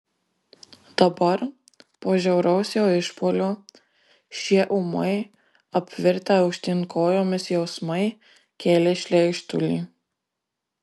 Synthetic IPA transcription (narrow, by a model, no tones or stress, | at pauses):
d̪̥ɐbɐɾ | poːʒʲɛʊɾɐʊsʲjoːɪʃpoːlʲoː | ʃʲiɛʔʊmɐɪ | ɐpʲʋʲɪɾʲt̪ʲɛɐʊkʃʲt̪ʲɪŋkoːjoːmʲɪsjɛʊsmɐɪ | kʲeːlʲɛʃʲlʲɛɪʃt̪ʊ̰lʲḭː